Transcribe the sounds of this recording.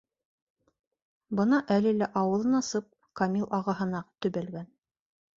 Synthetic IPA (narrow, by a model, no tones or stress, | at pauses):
bɤ̆nɑʔælɘlæʔɑwɤ̆lˠɤ̆nɑsɤp̚ | kɐmʲilˠʔɑʁɑɦɤ̆nɑt̪ɵ̆βælɡæn